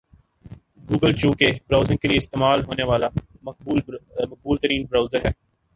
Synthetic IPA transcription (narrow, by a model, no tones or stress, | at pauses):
ɡuːɡəlt͡ʃũːkebɾaːʊzɪ̃ŋɡ̚kelieɪst̪eːmaːlɦoːneʋaːla | mɐk̚buːlt̪əɾiːnbɾaːʊzəɾɦɛː